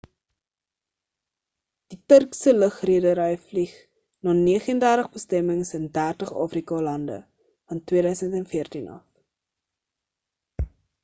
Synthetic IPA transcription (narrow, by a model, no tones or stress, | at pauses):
d̥itərksələχriədəɾɛjfliχ | nɑniəχəndærdəχbəstɛməŋsəndærtəχɑ̰ːfrikɑlɐndə̰ | fɐntwiəɾœɥsəntɛnfiərtinʔɐ̰f